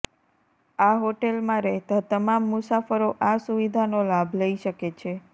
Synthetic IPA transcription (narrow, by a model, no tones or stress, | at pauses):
aɦoʈelmãɾɛɦt̪at̪əmamːusafəɾoʔasuʋid̪ʱanolabʱləiʃəket͡ʃʰe